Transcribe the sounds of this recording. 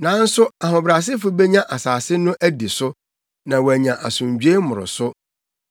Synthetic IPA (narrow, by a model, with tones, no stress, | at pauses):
nã˨˦n̩˦sʊ˦a˨ɦʊ̃˨bɾa˨s̬ɪ˦fʊ˦be˦ɲã˦ʔa˨saː˨sɪ˦nʊ̃˦ʔæ˦di˨sʊ˦ | nã˨wæ˨ɲã˨ʔa˨sʊ̃˨ɲ˨d͡ʑᶣɥe˦mʊ̃˨ɾʊ̰˨sʊ˦